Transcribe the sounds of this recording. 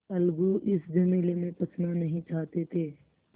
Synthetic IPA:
ɐlɡuʔɪsd͡ʒɐmeːlemẽpɐt͡ʃʰnanɐɦĩt͡ʃaːɦt̪et̪ʰeː

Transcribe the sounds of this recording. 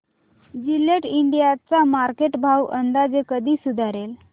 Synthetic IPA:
d͡ʑileʈiɳɖijat͡samaɾkeʈbʱawənd̪ad͡zekəd̪ʱiːsud̪ʱaɾel

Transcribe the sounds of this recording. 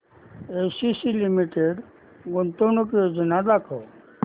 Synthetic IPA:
esisilimiʈeɖ | ɡont̪onokjod͡zənad̪akʰɔ

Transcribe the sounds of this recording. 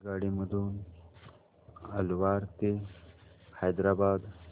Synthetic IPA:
ɡaːɽimɐd̪un | ɐlwaːɾt̪e | hajd̪ɾaːbaːd̪

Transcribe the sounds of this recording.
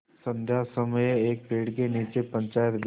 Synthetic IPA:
sɐ̃nd̪ʱjasɐməjeːk̚peːɽk̬eniːt͡ʃepə̃ɲt͡ʃaːjət̪ɡ

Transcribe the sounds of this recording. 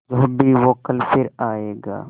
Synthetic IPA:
d͡ʒoɦbʱiʋoːkəlpʰɪɾaːeːɡa̰ː

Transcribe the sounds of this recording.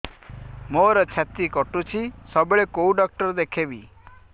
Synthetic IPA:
moɾɔt͡ʃʰat̪ikɔʈũt͡ʃʰisɔbɭekouɖɔk̚ʈɔɾd̪ekʰebi

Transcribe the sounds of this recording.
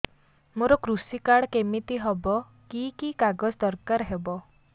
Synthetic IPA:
moɾɔkɾusikaɽkemit̪iɦɔbɔ | kikikaɡɔsd̪ɔɾkaɾɦebɔ

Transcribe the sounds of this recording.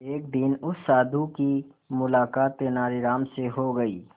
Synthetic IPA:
eːkd̪ɪnʊsaːd̪ʱuki | mʊlaːkaːt̪ːenaːɾiɾaːmseɦoɡɐḭː

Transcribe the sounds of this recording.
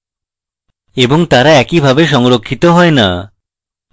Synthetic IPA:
eboŋt̪aɾaɛkibʱabeʃ̬ɔŋɾokʰːit̪oɦɔena̰

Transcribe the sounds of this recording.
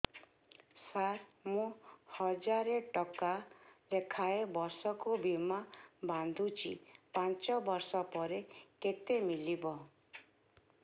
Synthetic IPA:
sat̪mũhɔd͡ʒaɾeʈɔkalekʰaebɔɾsɔkubimaband̪ʱut͡ʃʰḭpant͡ʃɔbɔɾsɔpɔɾeket̪emilibɔ

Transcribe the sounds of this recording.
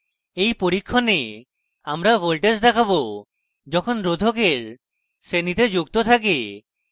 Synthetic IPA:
ejpoɾikʰːɔne | amɾabolʈesd̪ɛkʰabo | d͡ʒɔkʰonɾod̪ʱokeɾ | senit̪ed͡ʒuɡt̪ot̪ʰak̬e

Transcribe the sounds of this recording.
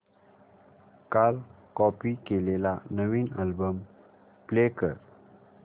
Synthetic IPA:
kal | kɔpikelelanəʋiːnə̰lbəm | plekəɾ

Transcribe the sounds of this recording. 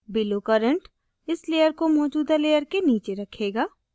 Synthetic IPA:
bɪlokɐɾə̃ɳʈ | ɪsleːjəɾkomɔːd͡ʒuːd̪aleːjəɾkeniːt͡ʃeɾɐkʰeːɡaː

